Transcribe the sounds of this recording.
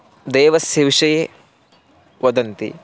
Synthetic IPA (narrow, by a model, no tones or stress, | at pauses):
d̪eːʋɐsjɐʋiʂɐje | ʋɐd̪ɐnt̪ḭ